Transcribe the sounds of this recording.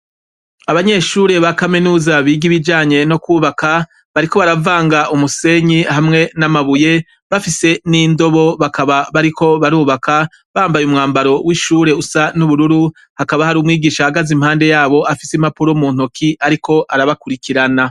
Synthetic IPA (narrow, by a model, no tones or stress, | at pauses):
aβaɲe̞ʃuːɾe̞βakaminuːzaβiːɡiβid͡ʒaːɲe̞no̞kwuːβaka | βaɾiko̞βaɾavaːŋɡaʔumuse̞ɲihamŋe̞namaβuje̞ | βafise̞niːndo̞βo̞βakaβaβaɾikʰo̞βaɾuːβaka | βaːmbajumŋaːmbaɾo̞wiʃuːɾe̞usanuβuɾuɾu | hakaβahaɾuːmŋiːɡiːʃahaɡazim̥haːnde̞jaːβo̞ʔafisimapuɾomuːn̥okʰiʔaɾikʰo̞ʔaɾaβakuɾikiɾana